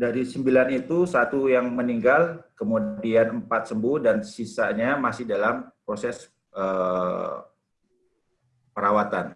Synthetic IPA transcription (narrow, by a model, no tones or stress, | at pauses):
daɾisəmbilanit̪usat̪ujaŋməniŋɡalkəmudianəmpat̪̚səmbuhdansisaɲamasɪhdalampɾosɛs | ʔə | pəɾawat̪an